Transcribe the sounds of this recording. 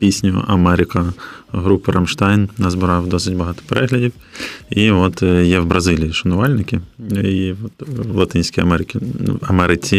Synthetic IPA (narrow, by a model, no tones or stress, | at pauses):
pʲisʲnʲʊ̰ʔɐ̰mɛɾʲɪkɐɦɾupɪɾʔɐmʃt̪ɑjnnɐzbɪɾɑwd̪ɔsɪtʲbɐɦɑt̪ɔ̥peɾʔɛɦlʲɐdʲiw | iʋɔt̪jɛwbɾʔɐzɪlʲijiʃɐnʊʋɑlʲnɪkʲɪiʋɔt̪wlˠɐt̪ɪnʲsʲkʲijɐmɛɾɪkʲɪɐmɛɾɪt͡sʲi